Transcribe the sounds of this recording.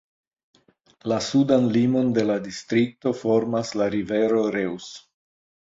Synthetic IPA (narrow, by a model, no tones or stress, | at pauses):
lasudanlimo̞nde̞ladistɾik̚to̞fo̞ɾmaslaɾive̞ɾo̞ɾews